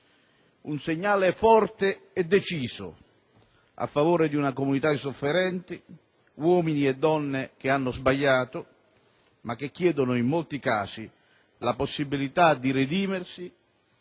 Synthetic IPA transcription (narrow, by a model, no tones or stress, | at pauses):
unseɲːaːleɛfɔrt̪eɛd̪ːet͡ʃiːzʊ̰ | a̰fːavoːɾed̪iunakomunit̪aisofːeɾɛnt̪ɪ | wɔːminiɛd̪ːɔnːek̟ɪanːʊzbaʎːaːt̪ʊ | mak̟ːek̟ːjɛːd̪ʊnʊimːolt̪ikaːsi | laposːibilit̪ad̪iɾed̪iːmersi